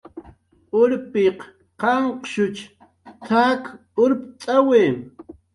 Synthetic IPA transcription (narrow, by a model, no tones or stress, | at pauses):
ʊɾpeq | qɑɴqʃʊt͡ʃ | t̪ʰak | ʊɾpt͡sʼaweː